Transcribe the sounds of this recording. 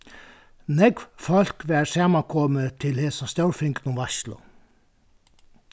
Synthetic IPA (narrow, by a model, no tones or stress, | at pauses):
nɛɡʋfɔlkʋæːɹsɑːmɑkʰɔmət̪ʰɪlheːsɑst̪jɑʉɹfɪŋknʊmʋɑʃlʊ̰